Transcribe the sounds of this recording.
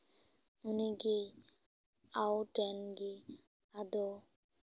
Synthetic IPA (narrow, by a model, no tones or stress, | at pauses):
uniɡe | awʈɛnɡi | ad̪ɔ